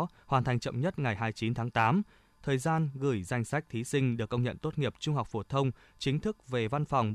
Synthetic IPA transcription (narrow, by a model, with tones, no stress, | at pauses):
hwaː˨˩nt̪ʰa˨˩jŋ̟t͡ɕə̰˧˨wŋ͡mɲə˦˥t̚ŋa˨˩jɦaː˧jt͡ɕi˨˦nt̪ʰaː˨˦ŋt̪aː˨˦m | t̪ʰəː˨˩jzaː˧nɣɨ˧˩jza˧jŋ̟sa˦˥jk̟̚t̪ʰi˨˦sï˧ŋ̟ɗɨ˨˩əkːə˧wŋ͡mɲə̰˧˨nt̪o˦˥t̚ŋi˨˩əp̚t͡ɕʊ˧ŋ͡mɦa˨˩wk͡p̚fo˧˩t̪ʰə˧wŋ͡m | t͡ɕï˨˦ŋ̟t̪ʰɨ˦˥k̚ve˨˩va˧nfa˨˩wŋ͡m